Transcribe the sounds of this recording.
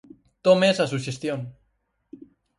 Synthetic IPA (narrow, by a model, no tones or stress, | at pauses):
t̪omesasuʃest̪jon